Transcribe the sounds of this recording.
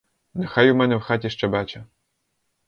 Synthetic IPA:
nɛxajumɛnɛwxatʲɛʃt͡ʂɛbat͡ʃɐ

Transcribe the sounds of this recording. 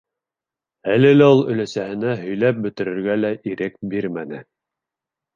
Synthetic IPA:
ælɘ̆læulˠɵ̆læsæhɘ̆næɦɵ̆jlæp̚bɵ̆t̪ɘ̆ɾɘ̆ɾɡælæʔiɾɘkbiɾmænɘ̰

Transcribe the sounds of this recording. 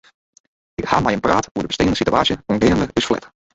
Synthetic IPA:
ɪkha̰ːmɛjənpraːtuədəbəsteːəndəsitya̰ːsjəɔnɡɪːəndəɪsflɛ̰t

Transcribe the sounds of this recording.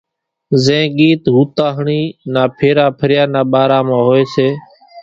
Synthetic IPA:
zẽːɠiːt̪ɦuːt̪aːɦɳiːnaːpʰeːɾaːpʰəɾjaːnaːɓaːɾaːmãːɦoːeːseː

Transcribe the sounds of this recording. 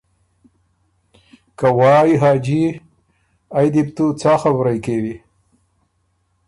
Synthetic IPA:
kawɑːjiɦɑːd͡ʒi | ajd̪ɪbt̪ut͡sɑːxabɾajkewi

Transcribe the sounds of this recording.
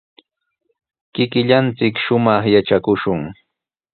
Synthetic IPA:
kɪkɪʎant͡sɪkʃʊmɑχjaʈ͡ʂakʊʃʊŋ

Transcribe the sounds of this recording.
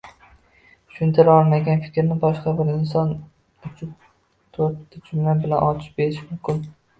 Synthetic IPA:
ʃʊnt̪ʰɪɾɒlˠmaɡʲanfɪ̥kʲɾnɪbɒʃqɑbɪɾɪns̬ɒn | ʊt͡ʃʰʊ | t̪ʰoɾtɪt͡ʃʰʊmlanbɪlanʔɒt͡ʃʰɪ̥pbeɾɪʃmʊmkʲʰɪn

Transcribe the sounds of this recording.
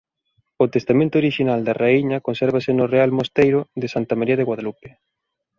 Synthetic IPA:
ʊt̪est̪amẽnt̪ʊoɾiʃinald̪areiɲɐkonsɛɾβasɪnʊrealmost̪ejɾʊðɪsant̪amaɾiɐðeɣwaðalupe̥

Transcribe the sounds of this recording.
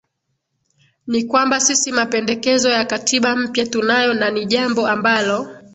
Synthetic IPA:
nikwambasisimapɛndɛkɛzɔjakatʰiɓam̩pjatunajɔnaniʄambɔambalɔ

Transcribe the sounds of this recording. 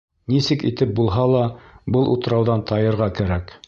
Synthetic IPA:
nisɘkḭt̪ɘp̚bulˠɦɑlˠɑbɤlˠʔut̪ɤ̆ɾɑwðɑnt̪ɑjɤ̆ɾʁɑkæɾæk

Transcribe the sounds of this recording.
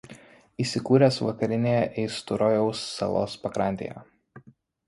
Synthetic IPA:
iːsʲɪkuːɾʲɛsʋɐkɐɾʲɪnʲejɛʔɛɪst̪ʊɾɔjɛʊsːɐ̰lˠo̰ːspɐkɾɐˑnʲt̪ʲḛːjɛ̰

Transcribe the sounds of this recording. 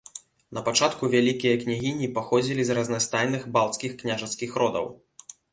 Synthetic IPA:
nɐpat͡ʂat̪kuvʲalʲikʲijɐknʲaɣʲinʲipaxɔd͡zʲilʲizrɐznast̪ajnɨɣbalˠt̪skʲixknʲaʐɐt̪skʲixɾɔd̪ɐ̰w

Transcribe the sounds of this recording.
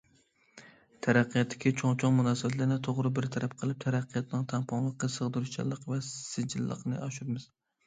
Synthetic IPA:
t̪ʰæɾæqʰːijɑt̪ʰːɪ̥kʲit͡ʃʰoŋt͡ʃʰɑŋmunɑːsɪbɛt̪læɾnɪt̪ʰoʁɾɨbɪɾt̪ʰæɾæp̚qʰəlˠɪp̚t̪ʰæɾæqʰːɨjɑt̪ʰnɪŋt̪ʰæŋpʰɑŋlˠəqːəsəʁd̪ɨɾuʃt͡ʃʰɛ̰lˠːɨqvɛsɪd͡ʒɪlːˠə̰qnɨ̰ʔɑʃupmɪz̥

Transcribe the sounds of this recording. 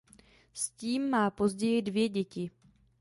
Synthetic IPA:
sciːmːaːpo̞zɟɛjɪdvjɛɟɛcɪ

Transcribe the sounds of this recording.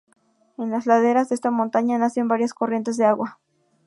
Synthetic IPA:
enlaslaðeɾasest̪amõnt̪aɲanasiambaɾjaskorje̞nt̪ezðeaɣwa

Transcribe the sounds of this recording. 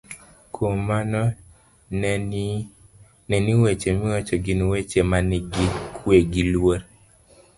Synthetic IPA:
kʰomanɔ | nɛniwet͡ʃemɪɔt͡ʃɔɡinwet͡ʃemanɡikʰweɡilwoɾ

